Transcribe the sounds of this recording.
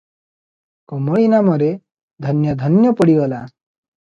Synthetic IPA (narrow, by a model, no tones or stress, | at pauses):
kɔmɔɭinamɔɾe | d̪ʱʌnjɔd̪ʱʌnjɔpɔɽiɡɔla